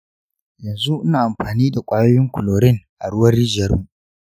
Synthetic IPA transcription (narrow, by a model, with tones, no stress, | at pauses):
jɐ˨nzu˦ʔnaː˨ʔa˨mɸaː˨niː˦da˨kʷʼaː˦joː˦jɪ˦ŋkʷʊ˨loː˨ɾɪ˦ŋʔa˨ɽʊ˦wɐ˦rːi˦d͡ʒjɐ˦rmu˨ʔ